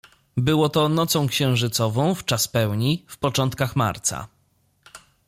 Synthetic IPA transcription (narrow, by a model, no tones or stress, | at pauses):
bɘwɔt̪ɔnɔt̪sɔ̃w̃kɕɛ̃w̃ʐɘt̪sɔvɔ̃w̃ft͡ʂaspɛwɲifpɔt͡ʂɔnt̪̚kaxma̰ɾt̪sa̰